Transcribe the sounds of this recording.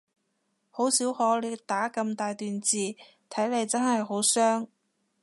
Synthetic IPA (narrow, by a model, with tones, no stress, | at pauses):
ho˨˥wsiː˨˥whɔː˨˥le˨˧t̪aː˨˥kɐ˧mt̪aː˨jt̪yː˨nt͡siː˨˧ | t̪ʰɐ˨˥jle˨˧jt͡sɐ˥nhɐ˨jɦo˨˥wsœː˥ŋ